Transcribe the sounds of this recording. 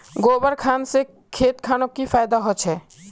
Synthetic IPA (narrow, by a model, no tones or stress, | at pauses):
ɡobəɾkʰansẽ | kʰet̪kʰanokːipʰajd̪aɦɔt͡ʃʰɛ